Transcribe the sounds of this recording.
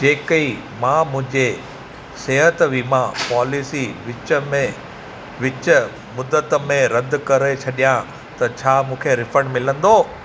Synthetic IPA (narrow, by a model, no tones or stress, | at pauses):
d͡ʑeːkəi | mãːmʊ̃ɦɪ̃ɲd͡ʑe | seːɦət̪ʋimãpaːlɪsiʋɪt͡ɕəmẽ | ʋɪt͡ɕə | mʊd̪ət̪mẽɾɐd̪ʱkɐɾet͡ɕʰɐɗijã | t̪ɐt͡ɕʰaːmũːkʰeɾɪfəɽmɪlə̃nd̪oː